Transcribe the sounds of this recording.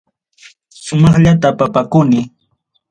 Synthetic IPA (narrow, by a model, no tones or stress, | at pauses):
sʊmɑχʎat̪apapakʊnɪ